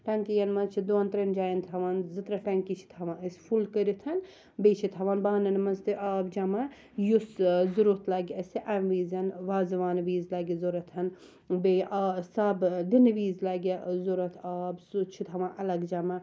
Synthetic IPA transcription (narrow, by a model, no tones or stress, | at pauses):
ʈɐŋkijɐnmɐt͡ʃʰid̪oɐnt̪ɾɐnd͡ʒaːjɐnt̪ʰɐʋaːnzɨt̪ɾɐfʲɐŋkit͡ʃʰi̥t̪ʰɐʋãːəsʲfulkəɾit̪ʰɐn | bet͡ʃʰit̪ʰɐʋaːnbaːnɐnmɐst̪iʔaːbd͡ʒɐma | juszuɾut̪ʰlaːɡʲiɐsiʔɐmʋiːzɐnʋaːzɐʋaːnʋiːzlaɡʲizoɾɐt̪ʰɐn | beʔasabd̪inʋiːzlɐːɡʲizoɾɐt̪ʰaːbsut͡ʃʰit̪ʰɐʋãːnʔɐlɐɡd͡ʒɐma